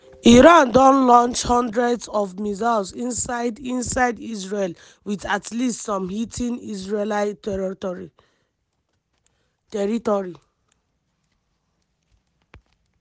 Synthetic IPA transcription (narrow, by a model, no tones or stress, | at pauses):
iɹãndɔ̃nlɔ̃nt͡ʃhɔ̃ndɹɛdsɔvmizalsĩnsadĩnsaɪdisɹel | wiðatlistsɔ̃mhitʰĩnisɹelaɪtɛɔɹi | tɛɹitɔɹi